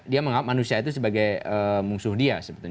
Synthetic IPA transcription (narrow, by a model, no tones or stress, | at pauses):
diaməŋap̚manusiait̪usəbaɡajəmuŋsʊhdiasəbət̪ʊ